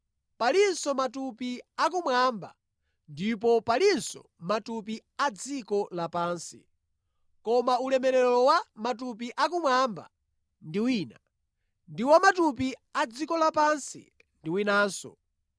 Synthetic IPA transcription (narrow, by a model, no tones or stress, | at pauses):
palinsɔmatupiak̬umwaːmba̰ | ndip̬ɔpalinsɔ̰ | matup̬iad͡zikɔlapaːnsḭ | kɔmaulɛmɛɾɛɾɔwamatup̬iʔak̬umwamba̰ | ndiwiːna | ndiwamatup̬iad͡zikɔlapansḭ | ndiwinaːnsɔ̰